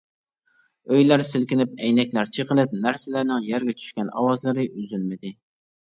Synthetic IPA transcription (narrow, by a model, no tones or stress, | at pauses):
øjlæɾsɪlkʲɪnɪp̚ɛjnɛkʲlæɾt͡ʃʰəqəlˠɪp̚næɾsɪlæɾnɪŋjæɾɡʲɛt͡ʃʰy̥ʃkʲɛnɑ̰wɑzlˠɨɾɨʔyzylmɪd̪ɪ